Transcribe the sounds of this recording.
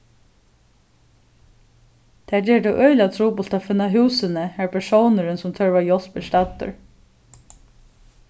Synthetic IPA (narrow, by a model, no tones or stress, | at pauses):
t̪ʰæːɛːɖɛʔœʏlat̪ʰɾuːpʊlt̪afʏnːaɦʉːsənəhæɹpʰæʂownəɾənsʊmt̪ʰœɹʋajɔspɪlst̪ɑt̪ʊ̰ɹ